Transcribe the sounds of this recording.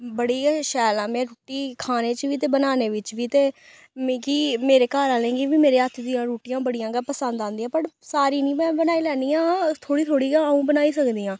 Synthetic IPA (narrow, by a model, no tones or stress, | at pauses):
bəɽiːʃɛːlãːmɛ̃ːɾuːʈiːkʰaːneːt͡ʃʋiːt̪eːbənaːneːʋɪt͡ʃʋiːt̪eː | m̃ːkiːmeːɾeːkaːɾãːlẽːɡiʋiːmeːɾeːət̪ʰd̪ɪjãːɾuːʈijãːbəɽijãːɡaːpəsə̃nd̪ãːnd̪ijãːpəʈsaːɾiːnĩːmɛ̃ːbənaːiːlɛːnd̪ijãːt̪ʰoːɽiːt̪ʰoːɽiːɡaũːbənaːiːsəkd̪iːãː